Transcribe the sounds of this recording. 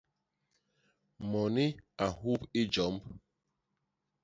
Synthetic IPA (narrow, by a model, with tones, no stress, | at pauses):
mɔ˨ni˦a˨ɦu˦pi˦d͡ʒɔ˨˦mb